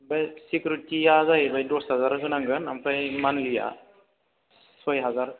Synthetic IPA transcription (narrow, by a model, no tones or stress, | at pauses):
bajsikɾutijazaɦibajdɔsɦazaɾɦɯnaŋɡɯna̰mpʰajmanlija̰ | swajɦazaɾ